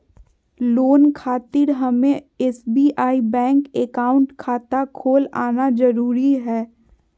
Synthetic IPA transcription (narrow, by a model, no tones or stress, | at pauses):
loːnkʰaːt̪ɪɾɦɐmẽ | ɛsbiʔaːibɛ̃ːŋkekaːʊ̃ɳʈkʰaːt̪akʰoːla̰ːnad͡ʒɐɾuːɾiɦɛː